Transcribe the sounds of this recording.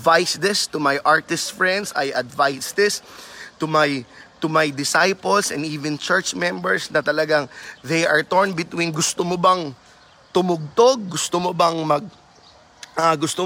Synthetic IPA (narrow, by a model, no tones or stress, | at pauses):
vajsd̪ɪst̪ʊmajʔaɹt̪ɪst̪fɹɛ̃nd̪sɐ̰jʔɐd̪vajsd̪ɪst̪ʊmajt̪ʊmajd̪ɪsajpolsɛnd̪iːvɪ̃nt͡ʃɛɹt͡ʃmɛ̃mbɛɹsnɐt̪ɐlɐɡaŋðejʔɐɹt̪ɔɹnbɪt̪winɡʊst̪omobɐŋ | t̪ʊmʊɡ̚t̪oɡ̚ːʊst̪omobɐŋmɐɡ̚ | ʔɐɡʊst̪o